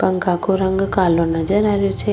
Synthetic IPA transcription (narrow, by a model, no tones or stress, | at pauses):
pəŋkakʰoɾəŋɡkalonəd͡ʒəɾaɾjot͡ʃʰe